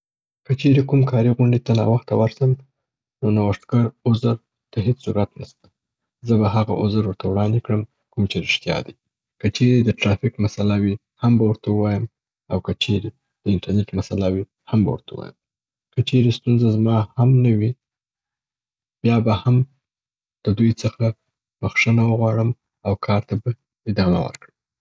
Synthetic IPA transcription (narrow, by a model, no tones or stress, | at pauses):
kət͡ʃeɾekumkʰɑɾiɣuɳɖit̪anɑ̰waxt̪awaɾsəm | nonawaʂt̪ɡaɾʊzəɾ | t̪aɦet͡ssuɾat̪nast̪ḁ | zəbaɦaɣa̰ʔʊzəɾwəɾt̪ʰawɽɑnd̪ekɽəm | kumt͡ʃeɾɪʂt̪jɑ̰d̪ḭ | kət͡ʃeɾed̪əʈɾɑfɪkmasalawi | hambawəɾt̪auwɑjəm | awkət͡ʃeɾe | d̪̥əɪnʈaɾneʈmasalawi | hamba̰wə̰ɾt̪ʰauwɑ̰jə̰m | kət͡ʃeɾest̪unzazmɑhamnawi | bjɑbaham | d̪̥əd̪ujt͡səxa | b̥əxʂənawəɣwɑɽəm | awkʰɑɾt̪aba | ɪd̪ɑma̰wə̰ɾkɽəm